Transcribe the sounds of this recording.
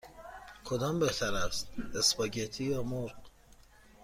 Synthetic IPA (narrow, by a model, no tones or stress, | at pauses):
kʰod̪ɒːmbeht̪ʰæɾæst̪̚espɒɟet̪ʰiːjɒːmoɾq